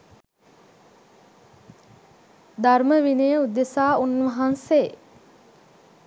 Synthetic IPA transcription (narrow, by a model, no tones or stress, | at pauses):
d̪arməʋinəjəud̪esaːunʋaɦanse